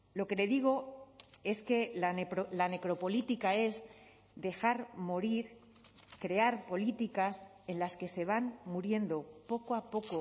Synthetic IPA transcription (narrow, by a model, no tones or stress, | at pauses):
lo̞ke̞le̞ðiɣ̞o̞e̞ske̞laɾlane̞kɾo̞po̞lit̪ikae̞z | ðe̞xaɾmo̞ɾiɾ | kɾe̞aɾpo̞lit̪ikas | e̞nlaske̞se̞β̞anmuɾje̞nd̪o̞po̞koapo̞ko̞